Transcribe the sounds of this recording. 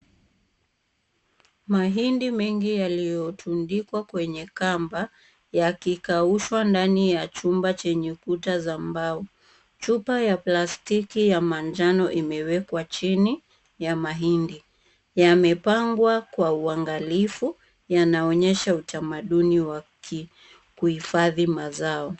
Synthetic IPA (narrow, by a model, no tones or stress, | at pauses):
maɦindimɛŋɡijalijɔtʰundikwakwɛɲɛkamba | jakikauʃwandanijat͡ʃumbat͡ʃɛɲɛkutazambaɔ | t͡ʃupajaplastikijamand͡ʒanɔʔimɛwɛkwat͡ʃini | jamaɦindi | jamɛpaŋɡwakwauaŋɡalifu | janaɔɲɛʃautamaɗuniwaki | kuhifaðimazaɔ